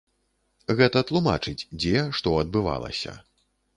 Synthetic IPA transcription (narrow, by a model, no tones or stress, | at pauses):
ɣɛt̪ɐt̪lˠuma̰t͡ʂɨt͡sʲd͡zʲɛʂt̪ɔɐd̪̚bɨva̰lˠɐ̰sʲɐ̰